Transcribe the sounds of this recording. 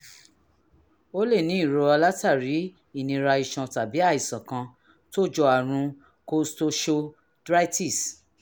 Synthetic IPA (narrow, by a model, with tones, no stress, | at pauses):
o˦le˦˨nĩ˨˦i˦˨ɾo˧a˧la˦ta˦˨ɾi˨˦ | i˦˨nĩ˧ɾa˧i˨ʃɔ̃˨ta˨bi˨˦a˦˨i˨sã˨kã˧ | to˦˨d͡ʒɔ˧a˨ɾ̃ũ˧ | ko˦sto˧ʃo˧ | dɾa˦ti˦˨s